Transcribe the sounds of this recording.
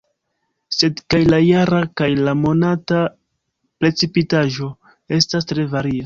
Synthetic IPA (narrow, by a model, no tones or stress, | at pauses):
se̞dkajlajaɾakajlamo̞nata | pɾe̞t͡sipitaʒo̞ | e̞stas̬tɾe̞vaɾia